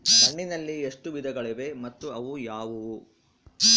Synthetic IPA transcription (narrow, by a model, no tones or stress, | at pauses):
mɐɳːinɐlːieʂʈuʋid̪ʱɐɡɐɭeʋe̞mɐt̪ːuɐʋujaːʋu